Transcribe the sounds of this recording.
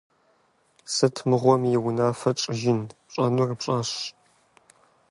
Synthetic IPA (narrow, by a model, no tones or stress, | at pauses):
sɨtʰmɨʁʷɔmjɪwʊnaːfɐʈ͡ʂʼɪʒɪnpɕʼɐnurɨpɕʼaːɕ